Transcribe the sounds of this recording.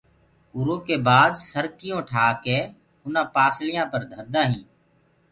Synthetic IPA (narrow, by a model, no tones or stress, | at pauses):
ʊɾõːkeːbaːd̪səɾkɪjõːʈʰaːkeː | ʊnãːpaːslɪjãːpəɾd̪ʱəɾd̪aːɦĩː